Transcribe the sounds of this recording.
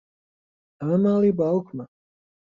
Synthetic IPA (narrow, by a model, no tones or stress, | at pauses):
amalibawkma